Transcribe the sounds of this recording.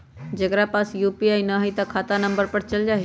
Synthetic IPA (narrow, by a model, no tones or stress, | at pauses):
d͡ʒɐkɾapaːsjuːpiaːinɐɦəit̪akʰaːt̪anɐ̃mbəɾpəɾt͡ʃɐld͡ʒaːɦ